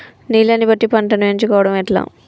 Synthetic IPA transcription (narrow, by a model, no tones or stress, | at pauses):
niːlɐnːibɐʈːipɐɳʈɐnɐeɲt͡ʃukɔːʋɐɽɐmɛʈla̰ː